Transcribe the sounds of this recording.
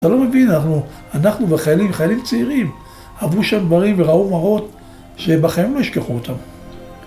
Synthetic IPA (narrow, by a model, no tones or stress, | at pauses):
t̪alo̞me̞vinanaχnu | anaχnuveχajalimχajalimt͡seiʁim | avuʃamd̪vaʁimveʁaumaʁo̞t̪ | ʃe̞baχaimlo̞jiʃkeχuot̪ʰam